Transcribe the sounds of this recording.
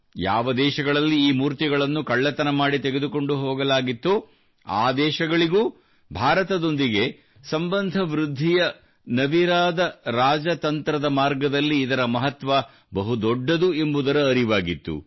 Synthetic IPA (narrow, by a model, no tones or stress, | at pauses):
ja̰ːʋɐd̪ɛːʃɐɡɐɭɐlːiiːmuːɾt̪iɡɐɭɐnːukɐɭːɐt̪ɐnɐmaːɽit̪eɡe̞d̪uko̞ɳɖuɦoːɡɐlaːɡit̪ːu | a̰ːd̪ɛːʃɐɡɐɭiɡuː | bʱaːɾɐt̪ɐd̪o̞nd̪iɡe̞ | sɐmbɐnd̪ʱɐʋɾud̪ʱːijɐ | nɐʋiɾaːd̪ɐɾaːd͡ʒɐt̪ɐnt̪ɾɐd̪ɐmaːɾɡɐd̪ɐlːiːd̪ɐɾɐmɐɦɐt̪ʋɐ | bɐɦud̪ɔɖːɐd̪ue̞mbud̪ɐɾɐːɾiʋaːɡit̪ːṵ